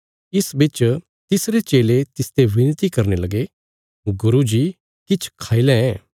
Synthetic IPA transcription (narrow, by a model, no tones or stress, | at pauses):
ɪsbɪt͡ʃ | t̪ɪsɾet͡ʃeːlet̪ɪst̪eʋɪnt̪ikɐɾnelɐɡe | ɡʊɾud͡ʒi | kɪt͡ʃʰkʰaːilɛɛː